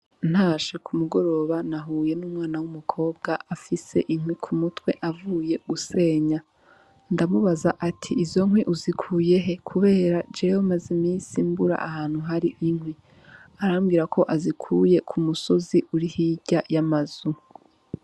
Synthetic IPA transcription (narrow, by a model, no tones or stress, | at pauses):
n̥haːʃe̞kʰumuɡo̞ɾo̞βanaɦuːje̞nuːmŋaːnawumukʰo̞ːb̚ɡaʔafise̞̰ʔiŋhwikʰumutwe̞ʔavuːje̞ɡuse̞ːɲa | ndamuβazaʔatʰiizo̞ŋwiʔuzikʰuːje̞ɦe̞kʰuβe̞ːɾad͡ʒehomazimiːsimbuɾa̰ʔahaːn̥huɦaɾiʔiŋhwi | aɾamɡiːɾakʰo̞ʔazikʰuːje̞kʰumuso̞ziʔuɾihiɟajamaz̥u